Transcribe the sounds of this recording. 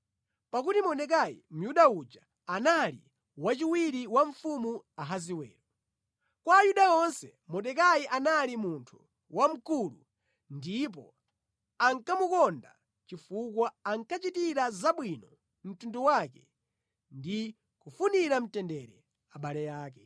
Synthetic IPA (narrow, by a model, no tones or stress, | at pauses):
pakutimɔɗɛk̬ajḭm̩juɗaud͡ʒa | analḭ | wat͡ʃiwiɾiwaɱ̩fumuaɦaziwɛ̰ːɾɔ | kwaːjuɗaɔnsɛ | mɔɗɛk̬ajiʔanalimuntʰu̥ | wam̩kulṵ | ndip̬ɔ̰ | aŋkamukɔnda̰ | t͡ʃifukwaaŋkat͡ʃitiɾazaɓwinɔ | m̩tunduwak̬ɛ | ndi | kufuniɾam̩tɛndɛɾɛ | aɓalɛjaːkɛ